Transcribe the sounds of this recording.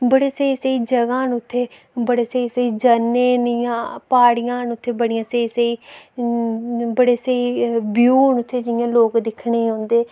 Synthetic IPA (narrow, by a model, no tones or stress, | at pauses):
bəɽeːseiːsəiːd͡ʒəɡãːɦnʊt̪ʰːeː | bəɽeːsəiːsəiːd͡ʒənːeːnɪjãːpaːɽijãːɦənʊt̪ʰːeːbəɽijãːseiːsəiː | bəɽeːsəiːbjuːnʊt̪ʰːeːd͡ʒɪjãːloːkd̪ɪkʰɳeːɦõːnd̪eː